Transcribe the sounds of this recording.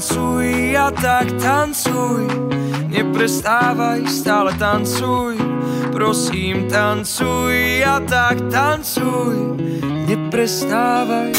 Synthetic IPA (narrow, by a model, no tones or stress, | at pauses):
t͡sujat̪akt̪ant͡sujɲɛpɾɛst̪aːʋajst̪aːlɛt̪ant͡sujpɾɔsiːmt̪ant͡sujat̪akt̪ant͡sujɲɛpɾɛst̪aːʋaj